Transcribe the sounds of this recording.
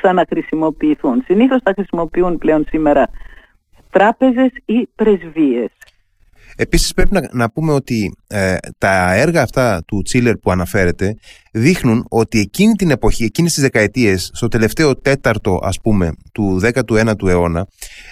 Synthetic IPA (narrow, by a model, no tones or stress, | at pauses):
sɐnɐxɾisimo̞piːθunsiniθo̞sθɐxɾisimo̞piunple̞o̞nsime̞ɾɐ | t̪ɾɐpe̞ze̞sipɾe̞zvie̞s | e̞pisispɾe̞pinnɐpume̞o̞t̪i | t̪ɐe̞ɾɣɐːft̪ɐt̪ut͡sile̞ɾpuɐnɐfe̞ɾe̞t̪e̞ | ðixnuno̞t̪ie̞cinit̪ine̞po̞çie̞cinest̪izðe̞kɐe̞t̪ie̞sːt̪o̞t̪e̞le̞ft̪e̞o̞t̪e̞t̪ɐɾt̪o̞ʔɐ̰spume̞t̪uðe̞kɐt̪ue̞nɐt̪ue̞o̞nɐ